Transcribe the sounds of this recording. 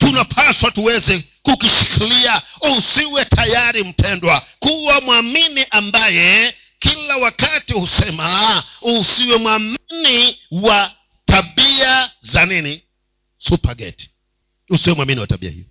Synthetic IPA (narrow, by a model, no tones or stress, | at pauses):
tunapʰaswatuwɛzɛ | kukiʃikiliausiwɛtʰajaɾim̩pɛndwakuwamwaminiʔambajɛ | kilawakatihusɛmausiwɛmwaminiwa | taɓiazanini | supaɡɛ̰ti̥ | usiwɛmwaminiwa̰taɓḭa̰hḭɔ